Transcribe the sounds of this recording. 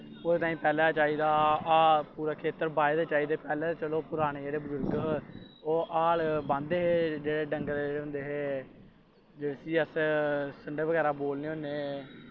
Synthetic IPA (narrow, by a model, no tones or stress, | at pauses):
oːdeːt̪ãːĩːpɛːlaːt͡ʃaːiːd̪aː | puːɾaːkʰeːt̪əɾbaːed̪eːt͡ʃaːiːd̪eːpɛːlɛːt͡ʃəloːpʊɾaːɽ̃eːeɾeːbəzʊɾɡ | oːʔaːlbãnd̪eːɦeːd͡ʒeːɽeːɖəŋɡəɾd͡ʒeːɽeɦʊnd̪eːɦeː | d͡ʒeːɽeːsiːəssəɳɖeːʋəɡɛːɾaːboːlneːɦoːneː